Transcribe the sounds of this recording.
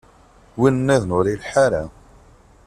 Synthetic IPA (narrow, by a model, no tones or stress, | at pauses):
winnːæðnʊɾilħaɾæ